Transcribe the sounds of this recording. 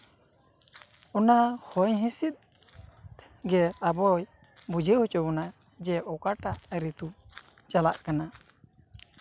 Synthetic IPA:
ɔnahɔjɦĩsit̪̚ | ɡɛabɔj | bud͡ʒʱehut͡ʃɔbɔna | d͡ʒɛʔɔkaʈaɾit̪u | t͡ʃalaʔkana

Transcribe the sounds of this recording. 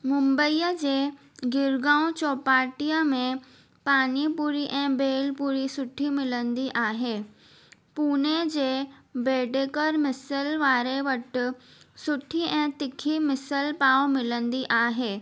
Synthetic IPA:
mʊ̃mbəiːjəd͡ʑeː | ɡɪɾɡãːõt͡ɕɔːpaːʈijəmẽ | paːnipuːɾiʔɛ̃ːbeːlpuːɾisʊʈʰimɪlə̃nd̪iʔaːɦeː | puːned͡ʑeːbeːɖeːkəɾmɪsəlʋaːɾeʋɐʈ̆ | sʊʈʰiɛ̃ːt̪ɪkʰimɪsəlpaːomɪlə̃nd̪iʔaːɦeː

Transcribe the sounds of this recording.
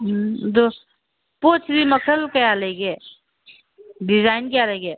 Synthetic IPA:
d̪o | poːt͡ʃʰɾimɐkʰəlkejaleːɡe | ɖɪzaːɪnkjaleɡeː

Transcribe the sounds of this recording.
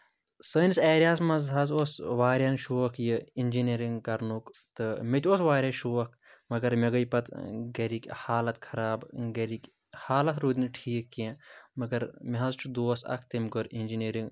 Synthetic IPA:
səːniseːɾʲaːsmɐzɦɐzosʋaːɾʲɐnʃuːɐkʰjɨinʲd͡ʒineɾiŋɡkɐɾnukt̪ɨmet̪ʲosʋaːɾʲɐʃuːɐkʰ | mɐɡɐɾmeɡɐjpɐt̪ɡɐɾikʲhaːlɐt̪kʰɐɾaːbɡɐɾikʲ | haːlɐt̪ɾud̪ʲinʈʰiːkːẽmɐɡɐɾmiɦɐzt͡ʃʰud̪oːsɐ̰k̚ʰt̪emkɨɾinʲd͡ʒineɾiŋɡ

